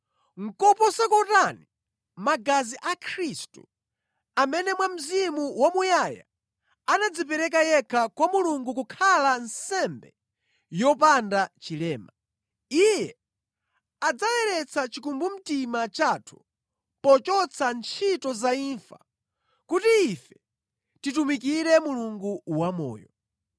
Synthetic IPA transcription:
ŋ̩kɔpɔsɛkɔtani | maɡaziʔakʰɾistu | amɛnɛmwam̩zimuwamujaja̰ | anad͡zipɛɾɛk̬ajɛkʰakwamuluŋɡukukʰalansɛmbɛ̰ | jɔpandat͡ʃilɛːma | ijɛ | ad͡zawɛɾɛt͡sʰat͡ʃikumbum̩timat͡ʃatʰu̥ | pɔt͡ʃɔt͡sʰant͡ʃʰitɔzaiɱfa̰ | kutiːfɛ̥ | titumikiɾɛmuluŋɡuwamɔ̰ːjɔ̰

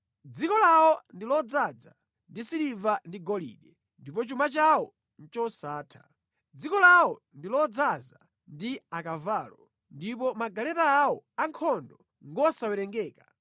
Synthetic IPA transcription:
d͡zikɔlawɔndilɔd͡zad͡za̰ | ndisilivandiɡɔlḭːɗɛ | ndipɔt͡ʃumat͡ʃawɔ | n̩t͡ʃɔsaːtʰḁ̰ | d͡zikɔlawɔ | ndilɔd͡zaza | ndiakavaːlɔ | ndip̬ɔmaɡalɛtaːɔaŋkʰɔndɔ | ŋɡɔsawɛɾɛŋɡɛːka

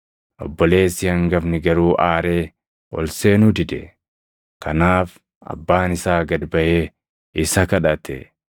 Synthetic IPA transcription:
ʔɔ̰bːɔle̞ːsɪjɐŋɡɐfnɪɡɐɾuːʔaːɾeː | ɔ̰lseːnʊd̪ɪd̪ɛ | kɐnaːf | ɐ̰bːaːnɪsaːɡɐd̪bɐʔeː | ɪsɐkɐᶑɐt̪ɛ̰

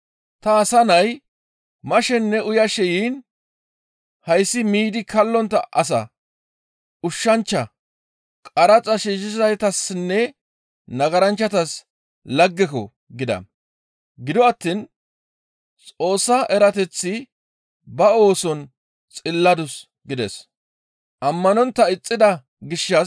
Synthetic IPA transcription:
t̪ɐːsɐnɐj | mɐʃɛnːɛʊjɐʃɛjiːn | hɐjsːɪmiːd̪ɪkʰɐlːɔnt̪ːɐʔɐs̬ɐ̰ | ʊʃːɐnt͡ʃːɐ | kʼɐɾɐt͡sʼɐʃiːʃɪzɐjt̪ɐsnːɛ | nɐɡɐɾɐnt͡ʃːɐt̪ɐs | lɐɡːɛkɔ | ɡɪd̪ɐ̰ | ɡɪd̪ɔɐt̪ːin | t͡sʼo̞ːsːɐʔɛɾɐt̪ɛt͡sːɪ | bɐo̞ːsɔn | t͡sʼɪlːɐd̪ʊs | ɡɪd̪ɛ̰s | ʔɐmːɐnɔnt̪ːɐɪt͡sʼːɪd̪ɐ | ɡɪʃːɐ

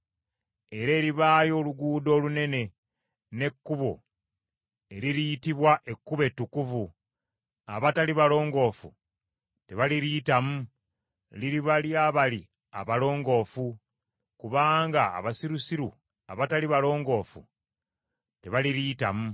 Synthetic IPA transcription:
e̞ɾe̞ːɾiβaːjo̞ːluɡuːdo̞ːlune̞ne̞ | ne̞kːuβo̞̰ | e̞ɾiɾiitiβwaʔe̞kːuβe̞tːukuvu | a̰βataliβalo̞ːŋɡo̞ːfṵ | te̞βaliɾiːtamu | liɾiβaljaːβali | a̰βalo̞ːŋɡo̞ːfu | kuβaːŋɡa̰ːβasiɾusiɾṵ | a̰βataliβalo̞ːŋɡo̞ːfṵ | te̞βaliɾiːta̰mu

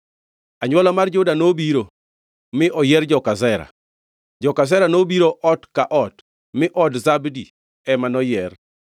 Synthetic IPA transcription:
aɲwɔlamard͡ʒʊdanobiɾo | mɪʔɔjɛrd͡ʒɔkazɛɾa̰ | d͡ʒɔkasɛɾanobiɾoʔɔtkaʔɔt | mɪʔɔdzabdi | ɛmanɔjɛr

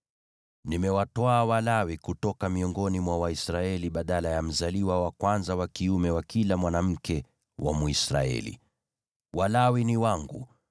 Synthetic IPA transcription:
nimɛwatwaːwalawikutɔkamiɔŋɡɔnimwawaisɾaɛliɓaɗalajam̩zaliwawakwanzawakiumɛwakilamwanam̩kɛ | wʔa̰muisɾa̰ɛ̰lḭ | walawiniwaŋɡṵ

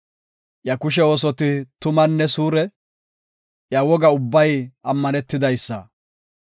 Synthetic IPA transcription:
jɐkʊʃ̬ɛo̞ːs̬ɔt̪ɪt̪ʊmɐnːɛsuːɾɛ | jɐwɔɡɐʊbːɐjɐmːɐnɛt̪ːɪd̪ɐjsːɐ̰

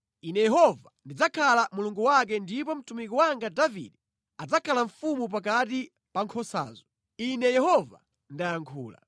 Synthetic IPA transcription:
inɛjɛɦɔvandid͡zakʰalamuluŋɡuwak̬ɛndipɔm̩tumikɔwaŋɡadavḭɗɛ | ad͡zakʰalaɱfumup̬ak̬ati | paŋkʰɔsa̰ːzɔ | inɛjɛhɔva̰ | ndajaŋkʰṵːla̰

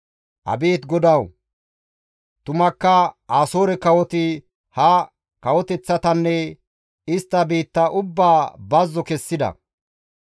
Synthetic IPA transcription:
ʔɐ̰biːt̪ɡɔd̪ɐw | t̪ʊmɐkːɐaːsoːɾɛkɐwɔt̪ɪ | hɐ | kɐwɔt̪ɛt͡sːɐt̪ɐnːɛ | ɪst̪ːɐbiːt̪ːɐʔʊbːaːbɐzːɔkɛsːɪd̪ɐ̰

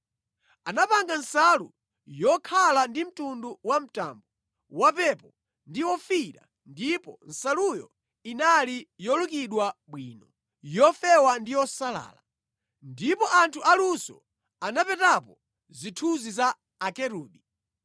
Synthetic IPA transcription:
anapaŋɡansalṵ | jɔkʰalandim̩tunduwam̩ta̰mbɔ | wapɛpɔ | ndiwɔfiɾa̰ | ndipɔn̩salujɔ | inalijɔlukiɗwaɓwḭːnɔ | jɔfɛwandijɔsala̰ːla | ndipɔʔantʰuʔalusɔ̰ | anapɛtapɔ | zitʰuzizaː | kɛɾuːɗi

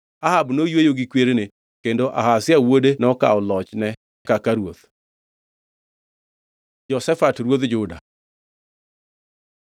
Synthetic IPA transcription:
ahabnojwejoɡikweɾene | kendoʔa̰hasɪawodenɔka̰ɔlɔt͡ʃnɛ | kakaɾwoð | d͡ʒɔsɛfatɾwoðd͡ʒʊda̰

